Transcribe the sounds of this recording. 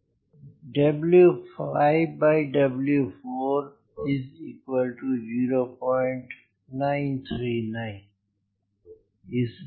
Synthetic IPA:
ɖʌbljufaɪbaɪɖʌbljufoɾ | izikwəlʈujuɾopɔ̃ɪ̃ɳʈ | nãɪ̃nt̪ʰɾinãɪ̃n | is

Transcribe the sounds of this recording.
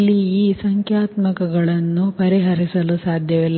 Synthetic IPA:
lːiːsɐŋkʰjaːt̪mɐkɐɡɐɭɐnːupɐɾiɦɐɾisɐlusaːd̪ʱjɐʋilː

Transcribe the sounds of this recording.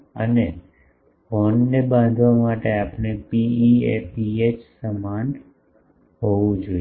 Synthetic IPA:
ə̰ne | fonːebãnd̪ʱʋamaʈeapɳepiiepiet͡ʃsəman | ɦoʋũd͡ʒoi

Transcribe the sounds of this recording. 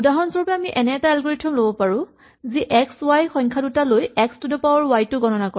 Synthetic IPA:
udaɦɔnsɔɹupɛamiʔɛnɛɛtaɛlɡɔɹitʰːɔmlobɔpaɹʊ̃ | ziʔɛkswajxɔjŋkʰadutalojɛkstudɔpawɔɹwajtʊɡɔnɔnakɔɹ

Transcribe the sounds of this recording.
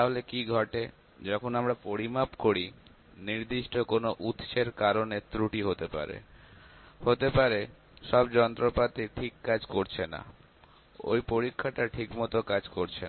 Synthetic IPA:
t̪aɦolekiɡʱɔʈe | d͡ʑɔkʰonamɾapoɾimapkoɾi | niɾd̪iʃʈokonoʔut̪ʃeɾkaɾonet̪ɾuʈiɦot̪epa̰ɾḛ | hot̪epaɾe | ʃɔbd͡ʑɔnt̪ɾopat̪iʈʰikːad͡ʑkoɾt͡ɕʰena̰ | o̰jpoɾikʰːaʈaʈʰikmɔt̪okad͡ʑkoɾt͡ɕʰe

